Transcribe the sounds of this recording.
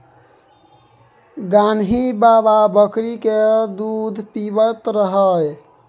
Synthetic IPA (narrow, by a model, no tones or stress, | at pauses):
ɡanɦibababəkɾiked̪ud̪ʱpibət̪ɾəɦəj